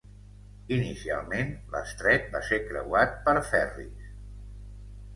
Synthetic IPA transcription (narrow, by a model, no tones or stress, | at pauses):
inisia̰lˠmenlə̰st̪ɾɛt̪̚basekɾə̰wat̪̚pəɾfɛrḭs